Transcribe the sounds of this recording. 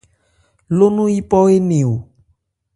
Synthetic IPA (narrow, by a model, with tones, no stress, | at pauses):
lo˦nũ˦i˦pɔ˦e˦nẽ˨o˨